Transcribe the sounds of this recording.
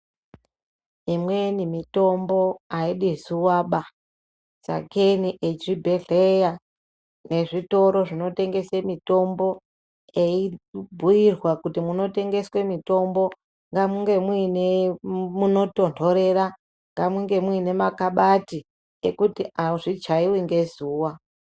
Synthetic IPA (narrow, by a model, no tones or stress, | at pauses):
imwenimito̞mbo̞aiɗisuwaɓa | sa̰keniʔe̞t͡ʃibʱe̞ɮeja | ne̞ʐito̞ɾo̞ʐino̞te̞ŋɡe̞semito̞mbo̞ | eibʱujirwakutimuno̞te̞ŋɡe̞swe̞mito̞mbo̞ | ŋɡamuŋɡe̞mwinemuno̞to̞ndo̞ɾe̞ra | ŋɡamuŋɡe̞mwine̞makaɓati | ekutiaʐit͡ʃaiwiŋɡe̞zuːwa